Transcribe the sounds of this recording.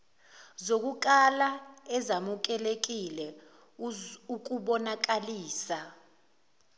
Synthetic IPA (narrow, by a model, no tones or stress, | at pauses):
zok̬uk̬alaɛzamuk̬ɛlek̬ilɛ | uk̬uɓɔnak̬aliːsa